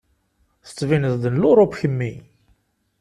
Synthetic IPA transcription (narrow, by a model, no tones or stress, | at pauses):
θə̥t͡sːvinəzd̪ənlʊɾˤopçəmːi